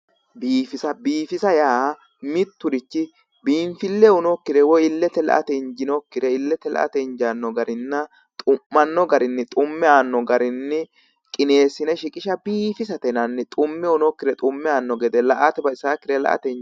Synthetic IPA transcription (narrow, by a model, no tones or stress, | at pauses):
biːfɪsɐbiːfɪsɐjaː | mɪt̪ːʊɾɪt͡ʃːɪ | biːɱfɪlːɛʊnɔkːɪd̪ɛwɔjɪlːɛt̪ːɛlɐ̰ʔɐ̰t̪ɛɪɲd͡ʒɪnɔkːɪd̪ɛɪlːɛt̪ːɛlɐ̰ʔɐ̰t̪ɛɲd͡ʒanːɔɡɐɾɪnːɐ | t̪ʼʊmːɐnːɔɡɐɾɪnːɪt̪ʼʊmːɛaːnːɔɡɐɾɪnːɪ | kʼɪne̞ːsɪnɛʃɪkʼɪʃɐbiːfɪs̬ɐt̪ɛnɐnːɪt̪ʼʊmːɛʊnɔkːɪd̪ɛt̪ʼʊmːɛaːnːɔɡɛd̪ɛlɐʔat̪ɛbɐɪsaːkːɪd̪ɛlɐ̰ʔɐ̰t̪ɛ